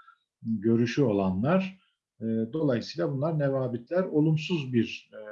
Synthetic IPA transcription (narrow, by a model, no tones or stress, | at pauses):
ɟø̞ɾyʃyo̞lˠanlˠaɾ̥ | d̪o̞lˠajsɯijlˠabunlˠaɾnɛvaːbit̪lʲæɾo̞lˠumsuzbiɾ